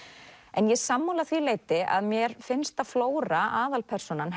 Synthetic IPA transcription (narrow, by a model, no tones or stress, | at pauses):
ɛnjɛsamːuːlaθvileːjt̪ɪʔa̰ðmjɛɾfɪnst̪aðfloːwɾaʔaːðalpʰɛr̥sɔnanɦ